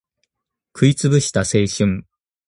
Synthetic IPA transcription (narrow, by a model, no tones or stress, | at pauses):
kʰɯ̟it͡sɨbɯ̟ɕi̥t̪ase̞ːɕɨ̃ŋ